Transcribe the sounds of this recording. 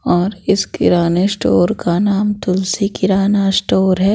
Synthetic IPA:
ɔːɾɪskɪ̰ɾaːnesʈoːɾkanaːmt̪ʊlsikɪɾaːnasʈoːɾɦɛː

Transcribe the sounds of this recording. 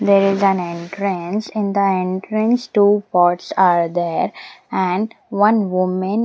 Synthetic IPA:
d̪eːɾɪzæ̃nẽɳʈɾə̃nsɪ̃nd̪əẽɳʈɾə̃nsʈuːpɔːɾʈsaːɾd̪eːɾæ̃ɳɖ | ʋʌ̃nʋʊmə̃n

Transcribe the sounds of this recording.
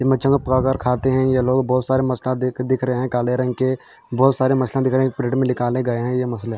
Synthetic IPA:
d͡ʒɪmə̃t͡ʃə̃ŋɡpkaːkəɾkʰaːt̪eɦɛ̃jeloːɡbɔːt̪saːɾemɐslãd̪ɪd̪ɪkʰɾəeɦɛ̃kaːleɾə̃ŋke | bɔːt̪saːɾemɐslãd̪ɪkʰɾəeɦɛ̃pɾeːʈmẽlɪkaːlẽɡɐeɦɛ̃jemɐsle

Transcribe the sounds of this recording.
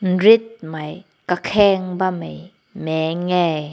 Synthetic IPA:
n̩rit̪̚maj | kakʰɛŋbamej | mɛːŋɛj

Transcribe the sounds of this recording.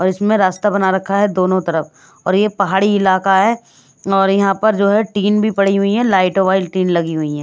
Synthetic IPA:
ɔːɾɪsmẽɾaːst̪abɐnaɾɐkʰːaɦɛd̪oːnõt̪ɐɾəf | ɔːɾjepɐɦaːɽiɪlaːkaɦɛː | ɔːɾjɐɦãpɐɾd͡ʒoːɦɛʈiːnbʱipɐɽ̤iɦʊiɦɛlaːɪʈoʋaːɪlʈiːnlɐɡiɦʊiɦɛ̃ː

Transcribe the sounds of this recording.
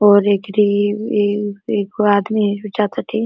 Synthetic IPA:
ɔːɾeːkɾieeːkaːd̪miʊt͡ʃaːt̪ʰaʈʰi

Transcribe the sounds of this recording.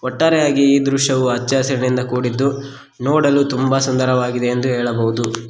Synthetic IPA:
ɔʈːaːɾɛjaːɡiːd̪ɾuʃɐʋuɐt͡ʃːaːsɐɾɐnind̪ɐkuːɽid̪ːu | nɔːɽɐlut̪umbɐsund̪ɐɾɐʋaːɡid̪e̞ːnd̪uɦɛːɭɐbɐɦud̪u

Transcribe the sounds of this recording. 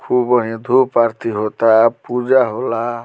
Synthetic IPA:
kʰubʌɦĩd̪ʱupaɾt̪iɦot̪apud͡zaɦola

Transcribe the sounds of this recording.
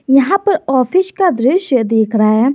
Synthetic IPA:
jɐɦãpɐɾɔːpʰɪʃkad̪ɾɪʃjəd̪eːkʰɾaːɦɛ

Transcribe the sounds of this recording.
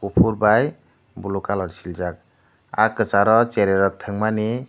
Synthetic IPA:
upʰuɾbaj | bulukalɔɾsild͡ʒak̚ | akːɯt͡ʃaɾɔt͡ʃeɾeɾɔk̚t̪ʰɯŋmani

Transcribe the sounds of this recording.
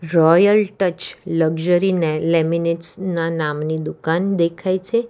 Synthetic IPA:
ɾɔjəlʈət͡ʃləɡʒəɾinelɛmineʈsnanamnid̪ukand̪ekʰajt͡ʃʰe

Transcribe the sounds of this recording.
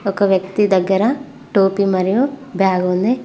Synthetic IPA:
ɔkɐʋjɐk̚t̪id̪ɐɡɐɾɐ | ʈoːpimɐɾijobʱjaːɡond̪e

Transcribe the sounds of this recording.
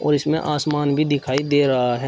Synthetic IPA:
ɔ̰ːɾɪsmẽʔaːsmaːnbʱid̪ɪkʰaːid̪eːɾɐɦaɦɛː

